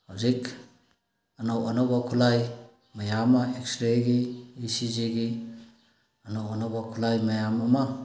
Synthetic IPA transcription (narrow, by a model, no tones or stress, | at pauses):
hawzik | ɐnowanobakʰulaj | majamaekstɾeɡiːsiziɡi | ɐnowɐnobakʰulajmajamama